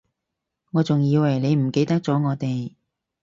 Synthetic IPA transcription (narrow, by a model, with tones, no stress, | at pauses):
ŋɔː˨˧t͡sʊ˨ŋjiː˧wɐ˨˩jne˨˧jm̩˨˩ke˧jt̪ɐ˥k̚t͡sɔː˨˥ŋɔː˨˧t̪e˨j